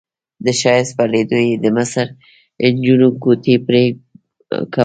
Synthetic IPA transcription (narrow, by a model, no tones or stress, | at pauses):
d̪əʃɑjɪspɑled̪ojed̪əmasəɾ | nd͡ʒunokot̪ʰepɾe | ka